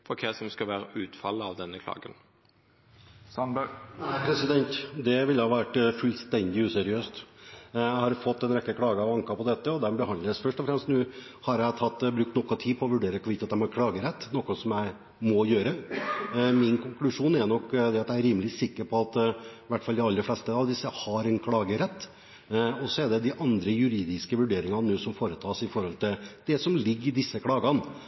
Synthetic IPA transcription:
fɔɾkʰɛsɔmskɑʋæːɾəʉːt̪fɑ̰lːəɑʋd̪ɛnːəkʰlɑ̰ːɡən | sɑnnæɪpʰɾɛsɪd̪ɛnt̪d̪ɛʋɪljæɑʋæʈːfʉlst̪ɛnd̪ɪʉːsɛɾɪøːst̪ | æhɑɾfɔt̪ːɛnɾɛkːəkʰlɑːɡəɑʋɑŋkɑpɔd̪ɛt̪ːəɔd̪ɛbəɦɑnləsfœʂʈɔfɾɛmst̪nʉːhɑɾjæɪt̪ʰɑt̪ːbɾʉkt̪nɔkːɔt̪ʰiːpʰɔɔʋʉɖeːɾəɾkːɔʋiːt̪ɑt̪ːæɪmɑɾkʰlɑːɡəɾɛt̪ːnɔkːɔsɔmjæɪ | mɔjøːɾə | mɪnkʰʊŋklʉʂuːnɛɾnɔkːd̪ɛɑt̪jæɪɾiːməlɪsɪkːəɾpʰɔɑt̪ʋæʈːfɑld̪ɪɑlːəflɛst̪əɑʋd̪ɪsːəhɑɾɛnkʰɽɑːɡəɾɛt̪ː | ɔsːɔɛd̪ɛd̪ɪʔɑnd̪ɾəjʉɾiːd̪ɪskəʋʉɖeːɾɪŋɑnuːsɔmfoːɾət̪ʰɑːsɪfɔɾhɔlt̪ʰɪld̪ɛsɔmlɪɡːɪd̪ɪsːəkʰɽɑːɡɑn

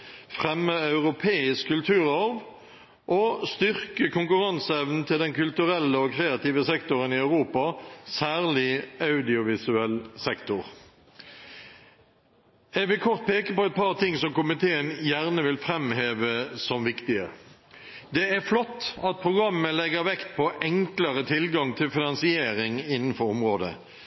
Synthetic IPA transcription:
fʁɛmːəɑʉʁʊpʰeːɪskʰːʉlt̪ʰʉːʁɔʁʋ | ʔɔst̪ʏʁkəkʊŋkʉʁɑnsɛʋnn̩t̪ʰɪld̪ɛnkʉlt̪ʉʁɛlːəɔkʰʁeːɑt̪iːʋəsɛkt̪ʊʁənɪɑʉʁuːpɑsæːʁlɪɑʉd̪ɪʊʋɪsʉɛlsɛkt̪ʊʁ | ɛɡʋɪlkʰɔʁt̪̚pʰeːkəpɔɛt̪̚pʰɑʁt̪ʰɪŋsɔmkʊmɪt̪ʰeːənjæʁnəʋɪlfʁɛmheːʋəsɔmʋɪkt̪ɪə | d̪ɛæʁflɔt̪ːɑt̪̚pʰʁʊɡʁɑmːəlɛɡəʁʋɛkt̪̚pʰɔʔɛŋkləʁət̪ʰɪlɡɑŋt̪ʰɪlfɪnɑnsɪeːʁɪŋɪnːən̩fɔʊmʁoːd̪ə̰

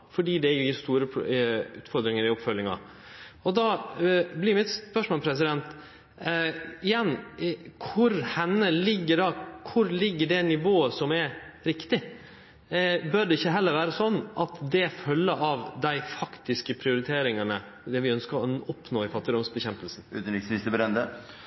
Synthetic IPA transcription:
fɔɖiːd̪ɛjʊjɪɾst̪uːɾəʉ̰ːt̪fɔɾd̪ɾɪŋəɾɪɔpfœlːɪŋɑ̰ | ɔd̪ɑːblɪːɾmɪt̪spœʂmoːlpʰɾɛsɪd̪ɛnt̪ | ɪjɛnːkʰʊɾhɛnːəlɪɡːəɖɑkʰʊɾlɪɡːəɖɛnɪʋoːəsɔmɛɾɪkt̪ɪ | bœɖɛɪçːəɦɛlːəɾʋæːɾəsɔnːʔɑt̪d̪ɛfœlːəʔɑʋd̪æɪfɑkt̪ɪskəpʰɾɪʊɾɪt̪ʰeːɾɪŋɑnə | d̪ɛʋɪœnskəɾɔɔpnoːɪfɑt̪ːɪd̪ʊmsbəçɛmpəlsn̩ʉ̰ːt̪n̩ɾɪksʋɪst̪əbəɾɛnd̪ə

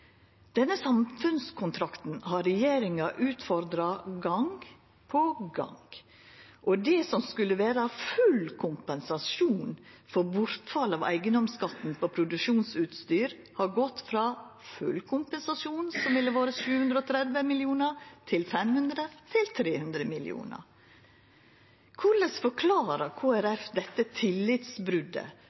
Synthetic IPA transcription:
d̪̥ɛnːəsɑmfʉnskʰʊnt̪ʰɾɑkt̪n̩hɑɾɛjeːɾɪŋɑʔʉːt̪fɔɾd̪ɾɑɡɑŋɡ | pʰɔɡɑ̰ŋɡ | ʔɔd̪ɛsɔmskʉlːəʋæːɾɑfʉlkʰʊmpɛnsɑsuːnfɔbʊɾt̪fɑlɑʋæ̰ɪɡənɔmskɑt̪n̩pʰɔpʰɾʊd̪ʉʃuːnsʉːt̪st̪yːɾ | hɑɾɡɔt̪ːfɾɑːfʉ̰lkʰʊmpɛnsɑsjuːnsɔmʋɪlːəʋɑːɾəʃʉːhʉnd̪ɾəɔːt̪ʰɾɛd̪ʋəmɪlɪuːnəɾt̪ʰɪlfɛmhʉnd̪ɾət̪ʰɪlt̪ʰɾeːhʉnd̪ɾəmɪlɪ̰ṵːnə̰ɾ | kʰʊɭəsfɔkʰlɑːɾəkʰoːæɾɛfd̪ɛt̪ːət̪ʰɪlːɪt̪sbɾʉd̪ə̰

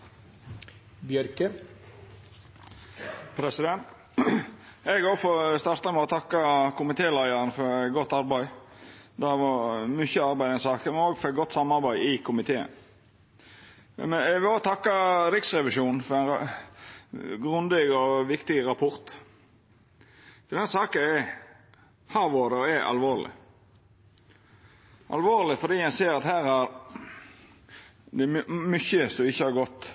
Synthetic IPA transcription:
bjœɾkə | pʰɾɛsɪd̪ɛnt̪ | ɛɡoːfɔst̪ɑɾt̪ɑmɛɔt̪ʰɑkːəkʰʊmɪt̪ʰeːlæɪəɾənəfɔɾɛɡɔt̪ːɑɾbæɪd̪ɛʋɑmyçəɑɾbæɪd̪ɛnsɑːkəmɛnoːɡfɔɾɛt̪̚ɡɔt̪ːsɑmɑɾbæɪɪkʰʊmɪt̪ʰeːə̰n | mɛɛʋɛoːt̪ʰɑkːəɾɪksɾɛʋɪʃuːnn̩fɔɾæɪnɑ | ɡɾʉnd̪ɪɡɔʋɪkt̪ɪɾɑpʰɔɾt̪ | d̪ɛnhæːsɑːkəɛ | hɑːɾʋoːɾəɔɛʔɑ̰lʋoːɾlɪ̰ | ʔɑ̰lʋoːɾlɪfɔd̪iːjæɪseːɾɑt̪hæːɾæɾ | d̪ɛmʏçəsɔmɪçːəhɑɾɡɔt̪ː

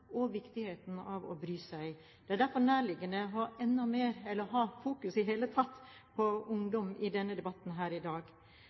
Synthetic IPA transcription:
ɔʋɪkt̪ɪheːt̪n̩ɑʋɔ̰bɾyːsæɪ | d̪̥ɛæɖæɾfɔɾnæːɾɭɪɡːənəɔɛnːɔmeːɾɛlːəɾɦɑːfuːkʉsɪɦeːlət̪ʰɑt̪ː | pʰɔʊŋd̪ɔmɪd̪ɛnːəd̪ɛbɑt̪n̩ɦæːɾɪd̪ɑːɡ

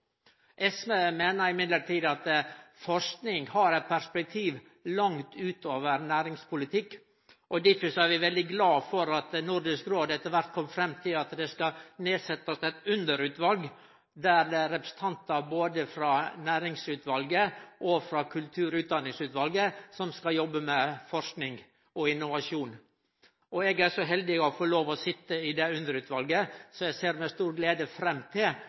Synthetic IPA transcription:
ʔɛsmemeːnəɾɪmɪd̪ləʈiːd̪ɑt̪əfɔʂknɪŋhɑɾɛɪt̪̚pʰæɾspɛk̚t̪ʰiːʋ | lɑŋt̪ʉːt̪oːʋəɾnæːɾɪŋspʰʊlɪt̪ʰɪkː | ʔɔd̪ɪfɪsɔæɾʋɪʋɛld̪ɪɡlɑːfɔɾɑt̪nʊɾɖɪskɾoːd̪ɛt̪ːəɾʋæɾʈ̪̚kʰɔmːfɾɛmt̪ʰɪlɑt̪d̪ɛskɑneːsɛt̪ːɑsɛt̪ʉnd̪əɾʉːt̪ʋɑlɡ | d̪æɾd̪ɛæɾɛpɾəsən̩t̪ʰɑnt̪ɑboːd̪əfɾɑnæːɾɪŋsʉːt̪ʋɑlɡəʔɔfɾɑkʰʉlt̪ʰʉːɾʉːt̪̚d̪ɑnːɪŋsʉːt̪ʋɑlɡəsɔmskɑjɔbːəmɛfɔʂknɪŋɡ | ɔɪnːʊʋɑʂuːn | ɔɛɡæʂɔɦɛld̪ɪɔfɔloːʋɔsɪt̪ːəɪd̪ɛʉnd̪əɾʉːt̪ʋɑlɡəsɔæɡseːɾmɛst̪uːɾɡleːd̪əfɾɛmːt̪ʰɪl

